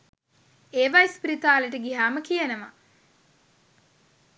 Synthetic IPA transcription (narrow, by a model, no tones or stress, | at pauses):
eːʋaispɾit̪aːləʈəɡiɦaːməkijənəʋa̰